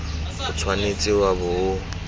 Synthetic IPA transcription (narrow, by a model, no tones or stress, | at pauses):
ʊt͡sʰwanet͡sʼɪwabʊʊ